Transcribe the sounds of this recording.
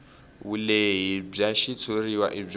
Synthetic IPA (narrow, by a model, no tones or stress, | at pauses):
wuleɦib͡ʐaʃit͡sʰoriwa̰ʔib͡ʐ